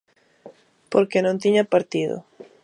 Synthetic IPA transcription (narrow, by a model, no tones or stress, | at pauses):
poɾkenõnt̪iɲapaɾt̪iðʊ̰